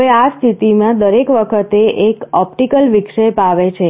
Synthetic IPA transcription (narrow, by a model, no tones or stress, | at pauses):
east̪ʰit̪imãd̪əɾekʋəkʰət̪eʔekɔpʈikəlʋikʂepaʋet͡ʃʰe